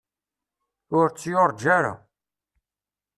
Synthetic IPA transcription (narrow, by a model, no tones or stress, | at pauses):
ʊɾt͡sːjʊɾˤd͡ʒæɾa̰